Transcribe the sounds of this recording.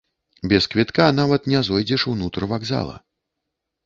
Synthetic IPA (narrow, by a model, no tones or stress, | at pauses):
bʲɛskvʲit̪kanavɐt̪nʲɛzɔjd͡zʲɛʂuwnut̪ɾɨvaɡza̰lˠɐ̰